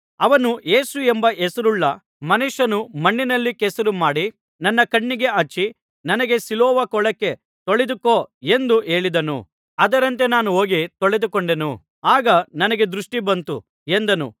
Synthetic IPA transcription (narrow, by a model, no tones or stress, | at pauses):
ɐʋɐnuje̞ːsuembɐʔɛsɐɾuɭːɐ | mɐnuʃɐnumɐɳːinɐlːikɛsɐɾumaːɽi | nɐnːɐkɐɳːiɡe̞ɐt͡ʃːi | nɐnɐɡe̞silɔːʋɐkɔɭɐkːe̞ | t̪oɭed̪ukoːe̞nd̪uʔe̞ːɭid̪ɐnṵ | ɐd̪ɐɾɐnt̪e̞naːnuɦo̞ːɡit̪oɭed̪ukoɳɖe̞nu | aːɡɐnɐnɐɡe̞d̪ɾuʂʈibɐnt̪ṵ | end̪ɐnṵ